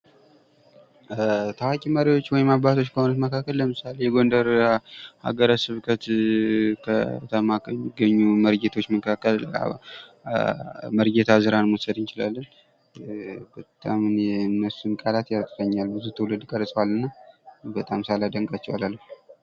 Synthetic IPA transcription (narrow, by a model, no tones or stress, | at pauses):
t̪ʰawakʼiməɾiwo̞t͡ʃːwɔjɪmaβbat̪ʰo̞t͡ʃːkʰəho̞nut̪məkʰakːəlːəmɨsalejɛɡo̞nd̪əɾha̰ɡəɾəsɨβkʰət̪ | kʰət̪ʰəmaɡəɲːuməɾɡet̪ʰot͡ʃːməkʰakːəl̰ | məɾɡet̪ʰazɨɾanmusəd̪ɨnt͡ʃɪla̰lːən | bət̪ʼamnjɛɨnːəsunkʼalat̪jasɾəɲːalbɨzut̪ʰɨwlɨd̪kʼəɾsʼəwalːɨnːabət̪ʼamsalad̪əŋkʼat͡ʃːɛwalalːəf